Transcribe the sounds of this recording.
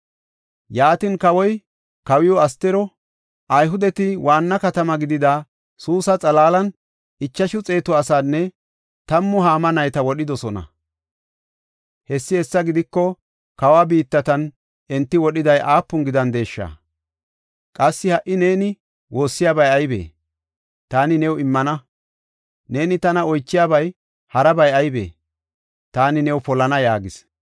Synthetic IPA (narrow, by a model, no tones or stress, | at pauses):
jaːt̪ɪnkɐwɔj | kɐwɪjɔɐst̪ːɛɾɔ | ʔɐjɦʊd̪ɛt̪ɪwaːnːɐkɐt̪ɐmɐɡɪd̪ɪd̪a | suːsɐt͡sʼɐlaːlɐn | ɪt͡ʃːɐʃʊt͡sʼe̞ːt̪ɔɐsaːnːɛ | t̪ɐmːʊɦaːmɐnɐjt̪ɐwɔɗɪd̪ɔsɔnɐ̰ | hɛsːɪhɛsːɐɡɪd̪ɪkːɔ | kɐwaːbiːt̪ːɐt̪ɐn | ʔɛnt̪ːɪwɔɗɪd̪ɐjʔaːpːʊŋɡɪd̪ɐnd̪e̞ːʃːa̰ː | kʼɐsːɪhɐʔɪne̞ːnɪ | wo̞ːsːɪjaːbɐjɐjbḛː | t̪aːnɪnɛwɪmːɐnɐ | ne̞ːnɪt̪ɐnɐɔjt͡ʃːɪjaːbɐj | hɐɾɐbɐjɐjbḛː | t̪aːnɪnɛwpɔlːɐnɐjaːɡɪs